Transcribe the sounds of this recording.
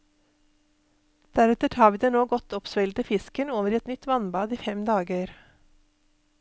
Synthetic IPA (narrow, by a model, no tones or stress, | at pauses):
d̪̥æɾɛt̪əʈʰɑːʋiːd̪eːnoːɡɔt̪ʰɔpsʋɛɪlt̪əfɪskənoːʋəɾɛt̪nʏt̪ʋɑnbɑːd̪iːfɛmd̪ɑːɡœʏɾ